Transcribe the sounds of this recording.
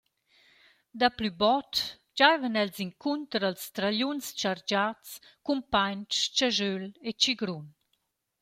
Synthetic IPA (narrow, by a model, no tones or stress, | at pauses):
d̪aplybɔt | d͡ʒajvənɛlziŋkʰunt̪əɾəlst̪ɾaʎunst͡ʃaɾd͡ʒat͡skumpaɲt͡st͡ʃaʒølet͡ʃiɡɾun